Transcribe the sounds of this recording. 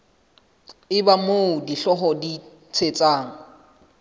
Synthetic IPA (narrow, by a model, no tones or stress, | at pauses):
ɪbamoʊdiɬɔɦɔdi | t͡sʰet͡sʼaːŋ̩